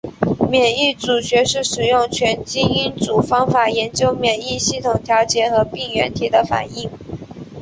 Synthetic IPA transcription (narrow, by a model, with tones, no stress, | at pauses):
mjɛ˨˩ni˥˩t͡su˨˩ɕɥɛ˧˥ʂɻ̩˥˩ʂɻ̩˨˩jʊ˥˩ŋt͡ɕʰɥɛ˧˥nt͡ɕi˥i˥nt͡su˨˩fɑ˥ŋfa˨˩jɛ˧˥nt͡ɕjo˥ʊmjɛ˨˩ni˥˧ɕi˥˩t̪ʰʊ˨˩ŋt̪ʰjɑ˧˥ʊt͡ɕjɛ˧˥xɤ˧˥pi˥˩ŋɥɛ̰˧˥nt̪ʰi˨˩d̪ə˦fa̰˨˩ni˥˩ŋ